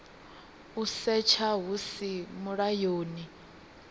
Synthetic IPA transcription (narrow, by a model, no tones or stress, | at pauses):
usɛt͡ʃʰaɦusimuɺajoːni